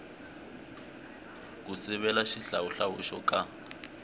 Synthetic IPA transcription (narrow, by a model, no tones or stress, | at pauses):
k̬ʼusɛβɛlaʃiɬauɬawṵʃɔkʼa